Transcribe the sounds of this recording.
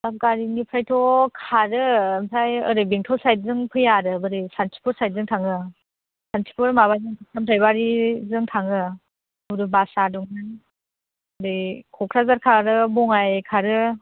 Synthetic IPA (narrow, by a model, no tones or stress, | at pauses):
ap̚ɡaɾinipʰɾajtʰɔkʰaɾɯmsajɯɾɯjbeŋtʰɔsaj̚zɯŋpʰɯjaɾɯbɯɾɯjsantʰi̥pʰɔɾsaj̚zɯŋtʰaŋɯ | santʰi̥pʰɯɾmaβajzɯŋtʰasʰamtʰajbaɾizɯŋtʰaŋɯ | uɾɯbasadɔŋnan | ɯɾɯjkʰɔkʰɾazaɾkʰaɾɯbɔŋajkʰaɾɯ